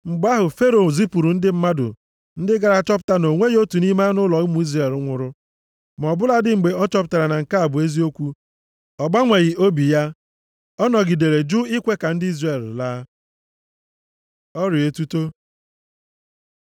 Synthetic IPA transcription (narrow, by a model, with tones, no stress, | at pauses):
ŋ͡m̩˨ɡ͡ba˦ɦʊ˨fe˦ɾo˨zi˦pu˨ɾu˨n̩˦dɪ˦m̩˦ma˦dʊ̰˨ | n̩˦dɪ˦ɡa˨ɾa˨t͡ʃɔ˦p̬ʊ̥˦ta˦no˨ŋʷe˦ɣo˦tu˨ni˦ma˦nʊ˦lɔ˨ɣmu˦i˦zre˨lŋʷʊ˨ɾʊ˦ | m˨ɔ˨bʊ˦la˦dɪ˦ŋ͡m̩˨ɡ͡be˨ɔ˦t͡ʃɔ˦pʊ˨ta˨ɾa˨na˨ŋ̩˨ka˦a˨bʊ˨e˦zi˦o˦kʷu˦ | ɔ˨ɡ͡ba˦ŋʷe˨ɣɪ˨o˦bi˨ja˦ | ɔ˦nɔ˨ɡi˨de˨ɾe˨d͡ʒu˦i˦kʷe˦ka˨n̩˦dɪ˦i˦zre˨llaː˦ | ɔ˦ɾɪ˨e˨tu˦to˦